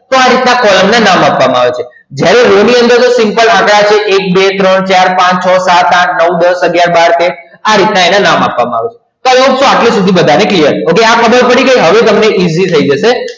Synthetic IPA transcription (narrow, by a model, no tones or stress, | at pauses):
t̪oaɾit̪nakɔləmnanamapʋamãaʋet͡ʃʰe | d͡ʒjaɾeɾoniənd̪əɾt̪osɪmpəlãkɽat͡ʃʰeʔek̚bet̪ɾəɳt͡ʃaɾpãt͡ʃt͡ʃʰɔsat̪ãtʰnəud̪əsəɡjaɾbaɾt̪e | aɾit̪naenanamapʋamãaʋet͡ʃʰe̥ | t̪oaleɦũksõaʈlisud̪ʱibəd̪ʱaneklijəɾokeakʰəbəɾpəɽiɡəjɦəʋet̪̬əmneʔizit̪ʰəid͡ʒəʃe